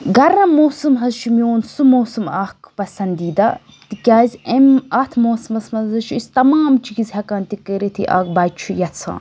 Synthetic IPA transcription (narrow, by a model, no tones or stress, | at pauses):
ɡɐɾnɐmoːsɨmɦɐzʃʰumjoːnsumoːsumaːkpɐsɐnd̪iːd̪a | t̪ikʲaːzʲemɐt̪ʰmoːsɐmɐsmɐzzɐʃʰuist̪ɐmaːmt͡ʃikizʲhɐkaːnt̪ikeɾet̪ʰḭʔa̰ːkbaːt͡ʃʰujɐt͡sʰã̰ː